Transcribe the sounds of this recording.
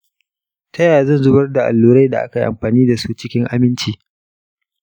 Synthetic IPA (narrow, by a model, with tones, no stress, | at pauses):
tʰɐ˦jaː˨zɐ˦˨nzʊ˦bɐ˦rda˨ʔa̰˨lːuː˨ɾa˦jda˨ʔa̰˦ka˨jʔa̰˨mɸaː˨niː˦da˨su˦t͡ʃɪ˦kʲɪ˦ŋʔa˨mɪ˦nt͡ʃiː˨